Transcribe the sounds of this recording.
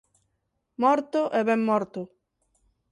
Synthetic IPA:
mɔɾt̪ʊʔɛβɛmːɔɾt̪ʊ

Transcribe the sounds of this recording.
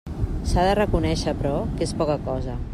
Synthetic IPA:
saðərəkunɛʃəpɾɔkespɔkəkɔzə

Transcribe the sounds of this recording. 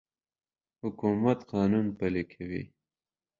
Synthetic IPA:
hʊkumat̪qɑːnunpəlekʰawḭ

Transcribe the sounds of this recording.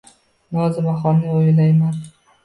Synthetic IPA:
bɒzɪbaχɒmnɪojlajman

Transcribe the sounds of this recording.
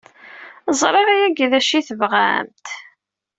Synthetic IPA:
zˤɾˤɑɾæjæɡðæʃiθəvʁa̰mt̪

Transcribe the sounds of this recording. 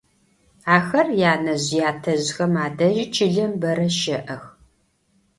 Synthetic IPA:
aːxɐrjaːnɐʑjaːtʰɐʑxɐmaːdɐʒt͡ʃʰɪɮɐmbɐɾɐʃɐʔɐx

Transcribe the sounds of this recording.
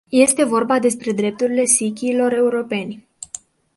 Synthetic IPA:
je̞st̪e̞vo̞rbad̪e̞spɾe̞d̪ɾe̞p̚t̪uɾile̞sikʲiːlo̞ɾe̞uɾo̞pe̞nʲ

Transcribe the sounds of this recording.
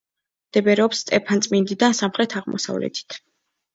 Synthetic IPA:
d̪̥ɛbɛɾɛɔpst̪ʼɛpʰant̪sʼmind̪id̪ansamχɾɛt̪ʰaʁmɔ̰sa̰vlɛ̰t̪ʰi̥t̪ʰ

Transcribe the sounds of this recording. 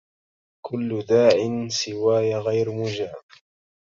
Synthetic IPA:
kʰʊlːʊd̪aːʕɪnsɪwaːjaɣajɾmʊd͡ʒaːb

